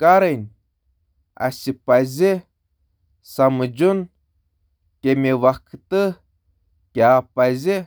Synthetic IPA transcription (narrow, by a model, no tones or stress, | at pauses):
kaɾɨnʲ | a̰sʲipazʲe | samɨd͡ʒun | kʲemʲeʋakʰt̪ɨ | kʲaːpazʲi